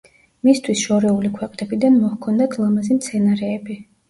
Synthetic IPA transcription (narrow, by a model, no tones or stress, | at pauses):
mist̪ʰwisʃɔɾɛulikʰwɛqʼnɛbid̪anmɔhkʰɔnd̪at̪ʰlˠamazimt̪sʰɛnaɾɛːbi